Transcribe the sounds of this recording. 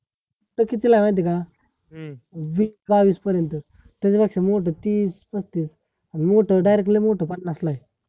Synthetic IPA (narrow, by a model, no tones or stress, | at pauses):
m | oʈəkit̪ilajʋãjt̪̬ika | ʋiːsbaʋiːspəɾjənt̪ə | t̪at͡sepakʂemoʈ̬ət̪iːspəst̪iːs | animoʈəɖajɾekʈlemoʈəpaʈnaslaj